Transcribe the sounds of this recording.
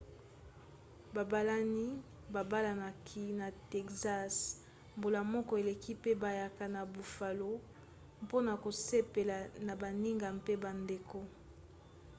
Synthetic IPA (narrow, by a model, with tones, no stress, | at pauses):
ba˨ba˦la˦ni˦ | ba˨ba˦la˨na˨kʰi˦na˨te˨kza˦s | mbo˨la˨mɔ˦kɔ˦e˨le˨ki˦pe˦ba˨ja˨ka˨na˨bu˨fa˨lo˦ | mpo˦na˨ko˨se˦pe˨la˨na˨ba˨ni˦ŋɡa˨mpe˦ba˨nde˨ko˦